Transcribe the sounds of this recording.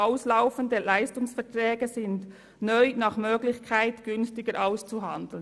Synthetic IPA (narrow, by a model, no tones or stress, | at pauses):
aʊslaʊfən̩dəlaɪstʊŋsfɛɐtʁɛːɡəzɪnd | nœʏnɑːχmøːɡlɪçkʰaɪtɡ̥ʏnstɪɡəɾʔaʊst͡suɦɑndl̩n